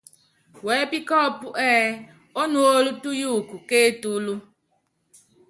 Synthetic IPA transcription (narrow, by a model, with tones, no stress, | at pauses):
wɛ˨˦pi˦kɔ˦˨pu˦ʔɛː˦ | o˦nu˦o˦lu˦tu˦ju˦˨ku˨ke˦tu˦lu˦